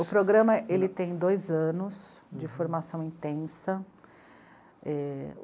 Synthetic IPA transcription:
ʊpɾoɡɾɐ̃mɐʔelɪt̪ẽj̃d̪ojzɐ̃nʊsd͡ʒɪfoɾmasɐ̃w̃ĩt̪ẽsɐ | ɛ

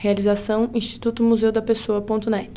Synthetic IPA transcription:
healizasɐ̃w̃ĩʃt͡ʃi̥t̪ut̪ʊmuzewd̪ɐpesoɐpõt̪ʊnɛt͡ʃ

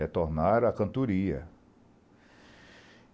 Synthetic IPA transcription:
et̪oɾnaɾɐkɐ̃nt̪uɾiɐ̰

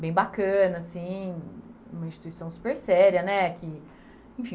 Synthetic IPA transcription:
bẽj̃bakɐ̃nɐsĩ | ṵ̃mɐĩʃt͡ʃi̥t̪uisɐ̃w̃su̥peɾsɛɾiɐnɛkɪ | ẽfĩ

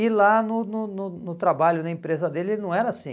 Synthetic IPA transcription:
ɪlanʊnʊnʊnʊt̪ɾabaʎʊnɐẽpɾezɐd̪elɪelnɐ̃w̃ɛɾɐasḭ̃

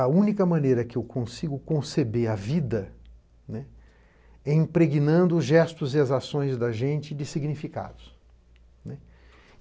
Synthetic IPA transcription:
ɐũnikɐmɐ̃nejɾɐkɪewkõsiɡʊkõsebeɾɐvid̪ɐ | nɛ | ɛĩpɾeɡinɐ̃nd̪ʊːzʒɛst̪ʊzɪɐzasõj̃zd̪ɐʒẽnt͡ʃɪd͡ʒɪsiɡnifika̰d̪ʊs | nɛ

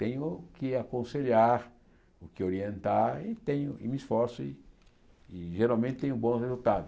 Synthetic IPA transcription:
t̪ẽɲʊkɪakõseʎaɾ | ʊkɪoɾiẽnt̪aɾɪt̪ẽɲʊɪmɪisfɔɾsʊɪ | ɪʒeɾawmẽnt̪ɪt̪ẽɲʊbõhezut̪ad̪ʊ

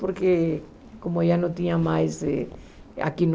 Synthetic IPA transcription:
poɾke | komojanõt̪ĩɲamajse | a̰kin

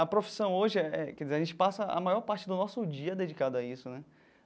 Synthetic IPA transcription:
ɐpɾofi̥sɐ̃w̃oʒɪɛɛkɛd͡ʒizeɾaʒẽnt͡ʃɪ̥pasɐɐ̰majɔɾpaɾt͡ʃɪd̪ʊnɔsʊd͡ʒiɐd̪ed͡ʒikad̪ʊɐisʊnɛ

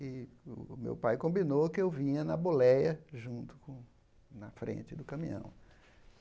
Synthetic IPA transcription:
ɪʊ̰mḛwpajkõmbinokɪewvĩɲɐnɐbolɛjɐʒũnt̪ʊ̥kõ | nɐfɾḛ̃t͡ʃɪd̪ʊkɐ̃mĩɐ̰̃w̃

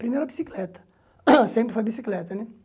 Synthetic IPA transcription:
pɾimeɾʊɐbisiklɛt̪ɐ̥ | sẽmpɾɪfojbisiklɛt̪ɐnɛ

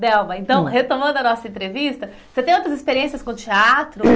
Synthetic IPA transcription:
d̪ɛwmɐẽnt̪ɐ̃w̃het̪õmɐ̃nd̪ʊɐnɔsɐẽnt̪ɾevist̪ɐ | set̪ẽj̃owt̪ɾɐzispeɾiẽsiɐskõt͡ʃiat̪ɾʊ

